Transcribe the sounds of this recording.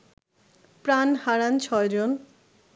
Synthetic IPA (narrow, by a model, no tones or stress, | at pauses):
pɾanhaɾant͡ɕʰɔed͡ʑon